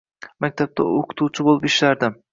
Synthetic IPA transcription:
mak̚ʲt̪ʰap̚t̪ʰa̰oqʰʊ̥t̪ʰuwt͡ʃʰɪbolˠɪpɪʃlaɾd̪ɪm

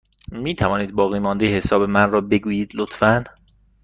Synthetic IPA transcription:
miːt̪ʰævɒːniːd̪̚bɒːɣiːmɒːnd̪ejhesɒːbe̞mænrɒːbe̞ɡuːjiːd̪lot̪ʰfæn

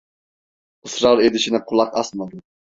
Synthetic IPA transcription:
ɨsɾɑɾed̪ɪʃɪnɪqʰʊlˠɑqɑsmɑd̪ʊ

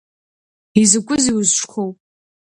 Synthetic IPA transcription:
izɨkʷʼʊziwʊzʂχʰowpʼ

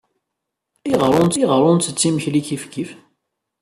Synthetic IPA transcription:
iʁɾˤʊnt̪iʁɾˤʊnt̪ət͡sːiməçliçifkif

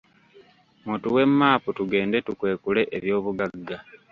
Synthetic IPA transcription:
mutuwe̞mːaːputuɡe̞ːnde̞tukwe̞ːkule̞ʔeβjo̞ːβuɡaɡːa

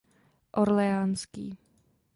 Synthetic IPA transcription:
ʔoɾlɛaːnskḭː

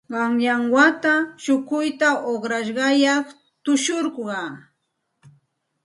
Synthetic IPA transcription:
ɢɑŋjaŋwat̪aʃʊkʊjt̪aʔoχɾaʃɢɑjɑχ | t̪ʊʃoɾqɢɑ

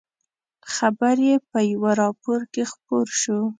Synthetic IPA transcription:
xabaɾjepəjawaɾɑpoɾkexpoɾʃo

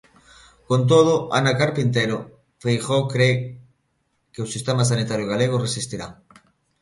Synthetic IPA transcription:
kont̪̬oð̞ʊʔa̰nakaɾpint̪̬ejɾo | fejxokɾe | keʊsist̪emas̬anit̪aɾjoɣaleɣ̞ʊresist̪iɾa

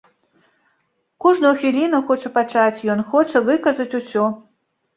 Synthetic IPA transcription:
kuʐnɐwxʲilʲinɐxɔt͡ʂɐpat͡ʂat͡sʲjɔnxɔt͡ʂɐvɨkɐzɐt͡sʲusʲɔ

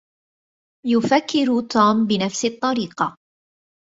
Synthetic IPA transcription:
jʊfakːɪɾt̪uːmbɪnafsɪt̪ˤːɑɾiːqɑ

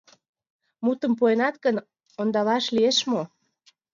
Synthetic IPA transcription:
mut̪ə̆mpuenɑt̪ɡən | ond̪ɑlɑʃlieʃmo

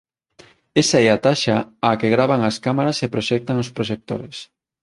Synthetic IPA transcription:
esaɛat̪aʃaakeɣɾaβaŋaskamaɾasepɾoʃɛk̚t̪aŋospɾoʃek̚t̪o̰ɾes

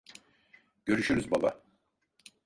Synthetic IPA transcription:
ɟ̥ø̞ɾyʃyɾyzbaba̰

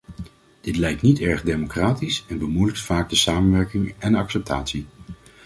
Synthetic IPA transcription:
d̥ɪtlɛjk̚tnitɛɹχdejmokraːtisɛnbəmujlək̚tfaːkɡ̚dəsaːmənʋɛɹkɪŋɛnɑksɛp̚tʰaːtsi

